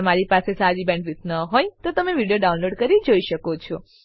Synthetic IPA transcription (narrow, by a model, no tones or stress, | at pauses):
əmaɾipasesad͡ʒibɛ̃ɳɖʋɪt̪nəɦojt̪ot̪əmeʋiɽijoɖaũnloɖkəɾid͡ʒoiʃəkot͡ʃʰɔ